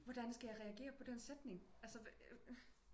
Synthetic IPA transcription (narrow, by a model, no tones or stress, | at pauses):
ʋɒd̥ænsɡ̥æjɑ̈ʁɛæɡ̥e̝̰ːɐpʰɒ̽d̥ensed̥ne̝ŋælsə